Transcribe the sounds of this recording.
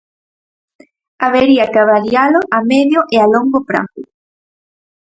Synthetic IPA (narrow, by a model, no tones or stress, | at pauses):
aβeɾiakaβalialoʔameðjoʔealoŋɡopɾa̰u